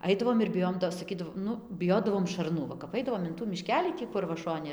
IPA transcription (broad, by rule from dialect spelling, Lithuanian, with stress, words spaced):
ˈɐɪdɐʋoːm ɪr bʲɪˈjoːjoːm ˈtoː sɐˈkʲiːdɐʋoː ˈnʊ bʲɪˈjoːdɐʋoːm ʃɐrˈnʊ ˈʋɐ kɐp ˈɐɪdɐʋoːm ɪn tuː mʲɪˈʃʲkʲæːlʲiː ˈtʲiː kʊr ʋɐ ˈʃoːnʲɪ